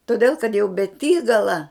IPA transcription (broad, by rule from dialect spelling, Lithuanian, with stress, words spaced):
toːˈdʲeːlˠ kɐt jɛʊ bʲɛˈtʲiːɡɐlˠɐ